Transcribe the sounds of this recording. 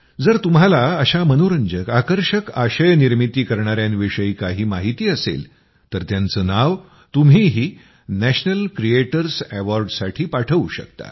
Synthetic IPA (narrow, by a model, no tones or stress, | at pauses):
d͡zəɾt̪um̤alaəɕamənoɾəɲd͡ʑəkakəɾɕəkaɕəjəniɾmit̪iːkəɾɳaɾjanʋiʂəiːkaɦiːmaɦit̪iːəsḛl | t̪əɾt̪jant͡səːnaʋ | t̪umɦiːɦiː | næɕnəlkɾieʈəɾsæʋɔɾɖsaʈʰiːpaʈʰəʋuɕə̰kt̪a̰